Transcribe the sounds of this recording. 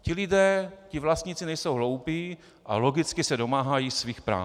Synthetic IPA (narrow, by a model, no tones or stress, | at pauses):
cɪlɪdɛːcɪvlast̪ɲiːt͡sɪnɛjsowɦlo̞wpiː | ʔa̰lo̞ɡɪt͡skɪsɛdo̞maːɦajiːsviːxpɾa̰ː